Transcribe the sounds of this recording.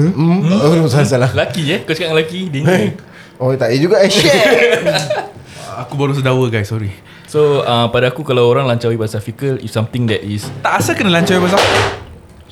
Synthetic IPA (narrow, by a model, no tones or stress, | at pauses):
sasalalakiəkot͡ʃḁkaʔ̚ŋlakidini | ot̪aid͡ʒuɡaʔ | akubaɾus̬ədawəɡajsːɔɾi | soapadaːkukalawoɾãŋlaɲt͡ʃawibasafikəlḭfsãmt̪ɪ̃ŋd̪ɛtist̪aʔasakənəlaɲt͡ʃawibas̬afə